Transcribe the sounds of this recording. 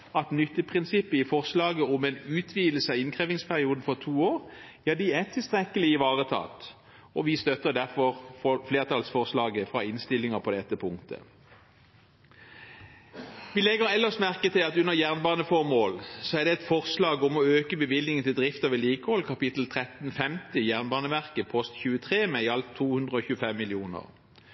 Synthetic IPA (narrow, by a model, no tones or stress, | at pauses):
ɑt̪nʏt̪ːəpʰʁɪnsɪpːəɪfɔʁslɑːɡəɔmɛnʉːt̪ʰʋiːd̪l̩səɑɪnkʰʁeːʋɪŋspʰæʁɪuːd̪n̩fɔʁt̪ʰuːoːʁ | æd̪ɪæt̪ʰɪlst̪ʁɛkəlɪɪʋɑːʁət̪ʰɑ̰ːt̪ | ɔʋɪst̪œt̪əd̪æʁfɔʁfɔfleːʁt̪ʰɑlsfɔʁslɑːɡəfʁɑ̰ɪnst̪ɪlːɪŋəpʰɔd̪ɛt̪ːəpʰʊŋkt̪ʰə̰ | ʋɪlɛɡəʁɛlːəʂmæʁkət̪ʰɪlɑt̪ʉnːəʁjæːʁnbɑːnəfɔʁmoːlsɔæʁd̪ɛɛt̪fɔʁslɑːɡɔmɔøːkəbəʋɪlnɪŋənt̪ʰɪld̪ʁɪft̪əʋɪliːkəhɔlkʰɑpɪt̪l̩t̪ʰʁɛt̪n̩fɛmt̪ɪjæːʁnbɑːnəʋæʁkəpʰɔst̪çʉːət̪ʰʁeːmɛɪɑlt̪ʰːuːhʉnd̪ʁəɔçʉːəfɛmːɪlɪuːnə̰ʁ